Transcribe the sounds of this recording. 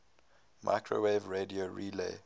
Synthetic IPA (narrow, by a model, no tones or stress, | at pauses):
mʔa̰ɪkʰɹo̰wevɹedioɹilḛ